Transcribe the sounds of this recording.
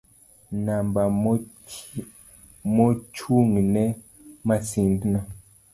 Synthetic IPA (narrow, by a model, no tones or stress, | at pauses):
namba | mot͡ʃuŋnɛ | masindna